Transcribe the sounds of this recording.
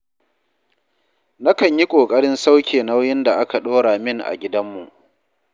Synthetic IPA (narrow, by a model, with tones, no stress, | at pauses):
na˦kɐ˨ɲji˦kʷʼoː˨kʼɐ˦ɽɪ˦nsa˦wkʲeː˨na˦wjɪ˦nda˨ʔa˦ka˨ɗoː˦ɽa˨mɪ˦ŋʔa̰˨ɡʲɪ˦dɐ˦mːu˨ʔ